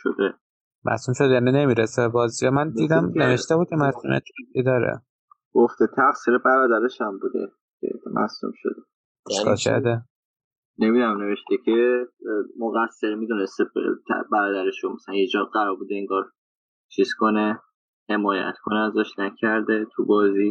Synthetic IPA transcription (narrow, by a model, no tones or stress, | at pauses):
ʃo̰d̪e | mʔæ̰suːmʃod̪ejænine̞miːɾesebɒːzijɒmænd̪iːd̪æmneveʃt̪ebuːd̪̚cʰemæzṵmḛt̪ʰid̪ɒːɾḛ | ɡ̥oft̪et̪ʰæɣsiɾebæɾɒːd̪æɾeʃæmbuːd̪ḛ | cʰḛmʔæ̰sṵmʃo̰d̪e | eʃkɒ̰ːlkʰæ̰ɾd̪e | nemid̪æmne̞veʃt̪ekʰe | moɣæsːeɾmid̪unest̪et̪ʰbæɾɒːd̪æɾeʃomæsælænjed͡ʒɒːɢæɾɒːɾbuːd̪eiŋɡɒːɾ | t͡ʃʰiz̥kʰone | he̞mɒːjæ̰t̪kʰoneæzæʃnæcʰæɾd̪et̪ʰubɒːzi